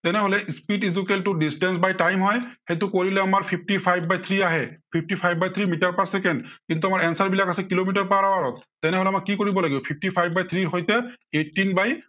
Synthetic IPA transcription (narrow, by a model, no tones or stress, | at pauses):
t̪ɛnɛɦolɛspitizukeltudistɛnsbajʈajmɦɔjhetukoɹilɛamaɹpʰip̚ʰʈipʰajbːajt̪ʰɹiaɦɛpʰip̚ʰʈipʰajbbajt̪ʰɹimitaɹpaɹsɛkɛndkint̪uamaɹɛnsaɹbilakasɛkilomitaɹpaɹawaɹɔt̪̚ːɛnɛɦolɛamakːikoɹibɔlaɡibɔpʰip̚ʰʈipʰajbbajt̪ʰɹiɹɦɔjtɛetːinbaj